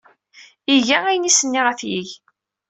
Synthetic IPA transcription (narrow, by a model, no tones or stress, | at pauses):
iʝææjənisənːiʁæθjiʝ